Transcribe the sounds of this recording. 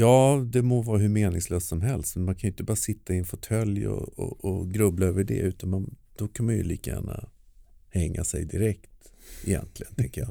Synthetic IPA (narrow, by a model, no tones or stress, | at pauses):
jɑːd̪ɛmovɑːɾaɦɵɾmeːnɪŋsløːst̪sɔmɦɛlst̪mɛnmankʰanjʏʏɪnt̪əbɑːɾasɪt̪ːaɪɛnfɔʈʰœljɔ̰ɔːɡɾɵblaøːvəɖɛ̰ʉ̟ːt̪anmand̪̥ɔkʰanmanjɵ̰liːkajæ̰ːɳa | hɛŋːasɛ̰jd̪ɪɾɛkt̪ɪjɛ̰nt̪ʰlɪɡənt̪ʰɛŋkəja